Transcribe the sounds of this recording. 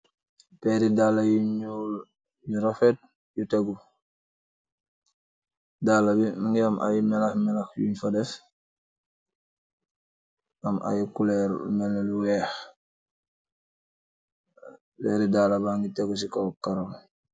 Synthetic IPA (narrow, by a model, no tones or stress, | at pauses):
pɛɾidalajuɲɔːl | juɾafɛt̚ | jutɛɡu | daːlabinaŋɡiamʔa̰jmɛlɐxmɛlɐxjṵɲfadɛf | ʔama̰jukulɛɾmɛlːaluwɛːx | pɛːɾidalabaŋɡitɛɡus̬ikɔwkaɾɔm